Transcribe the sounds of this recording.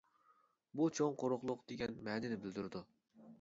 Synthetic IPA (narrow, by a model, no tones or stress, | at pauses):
but͡ʃʰoŋqʰoɾʊχlˠʊqd̪̥eɡʲɛnmɛːd̪ɪnɪbɪld̪yɾɪd̪u